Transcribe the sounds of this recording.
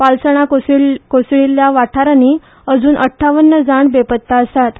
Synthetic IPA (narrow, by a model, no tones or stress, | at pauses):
palsəɳ̃akokosɭilːjaʋaʈʰaɾani | əd͡zuːnʔəʈʰːaʋənːəd͡zaɳbepət̪ːaəst̪at̪